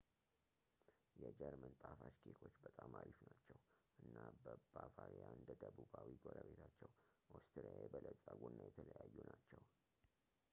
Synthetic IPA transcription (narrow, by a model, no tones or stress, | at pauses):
jɛd͡ʒəɾmənt̪ʼafat͡ʃkʰekʰo̞t͡ʃːbət̪ʼamaɾifnat͡ʃːɛwʔɨnːabəbafaɾijaɨnd̪əd̪əbubawiɡoɾəβe̞t̪ʰat͡ʃːɛwʔost̪ʰɾiajɛbələsʼaɡunːajɛt̪ʰələjajːunat͡ʃːɛw